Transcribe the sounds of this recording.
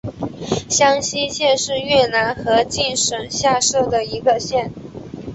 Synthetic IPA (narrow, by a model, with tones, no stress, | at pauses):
ɕjɑ˥ŋɕi˥ɕjɛ˥˧nʂɻ̩˥˧ɥɛ˥˩na˧˥nxɤ˧˥t͡ɕi˥˩nʂə˨˩nɕja˥˧ʂɤ˥˩d̪ə˩i˧˥ɡə˧ɕjɛ˥˩n